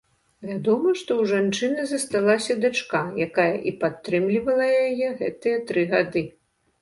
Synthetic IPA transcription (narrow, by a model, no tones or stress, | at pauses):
vʲad̪ɔmɐʂt̪ɔwʐant͡ʂɨnɐzɐst̪alˠasʲɐd̪ɨt͡ʂkajakajɐ̰ʔipat̪ːɾɨmlʲivɐlˠɐjjajɛɣɛ̰t̪ɨjɐt̪ɾɨɣad̪ɨ